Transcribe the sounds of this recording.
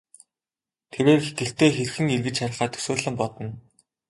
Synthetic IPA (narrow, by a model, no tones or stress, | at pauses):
t̪ʰeɾeːrxekɘ̆ɬt̪eːxerxɘ̆ŋerɣɘ̆t͡ɕʃaɾʲə̆χaːt̪ʰɵ̥soːɮɘ̆mpɔt̪ɞ̆n